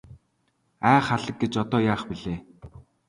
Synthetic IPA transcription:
æːχaɮə̆k̚ɡet͡ɕɔt̪ɔːjaːχpiɮeː

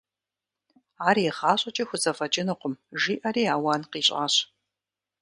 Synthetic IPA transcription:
aːɾjχaːɕʷʼɐt͡ʃʼɐxʷʊzɐfɐt͡ʃʼɪnɨqʷʊmʒiːʔɐɾiːaːwanqiːɕʼa̰ːɕ

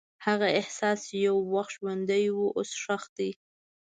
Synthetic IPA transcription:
haɣaɪhsɑst͡ʃejawːaxʒwand̪ajwuʔosʂaxt̪̚d̪i

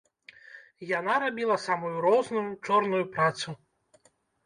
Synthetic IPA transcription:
janaɾabʲilˠɐsamujuɾɔznujut͡ʂɔrnujupɾat̪su

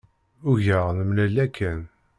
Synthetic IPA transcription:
ʊʝəʁnmlælækʰːæn

